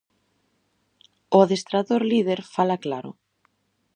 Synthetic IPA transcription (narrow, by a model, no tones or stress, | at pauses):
oðest̪ɾaðoɾliðeɾfalaklaɾo̰